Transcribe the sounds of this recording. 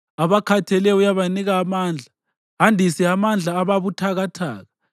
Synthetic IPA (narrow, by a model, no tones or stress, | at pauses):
aβakʰatʰɛlɛujaβaniɣaːmaːnd͡ɮʱa | ɦandʱisiamand͡ɮʱaːβaβutʰaɣatʰa̰ːɣa